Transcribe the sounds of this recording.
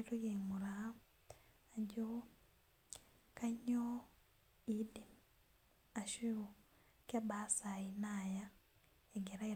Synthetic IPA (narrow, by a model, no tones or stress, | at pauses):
ɾujemuɾa | aɲɟo | kaɲo | idi | aʃuu | kabasainaːja | eɡeɾai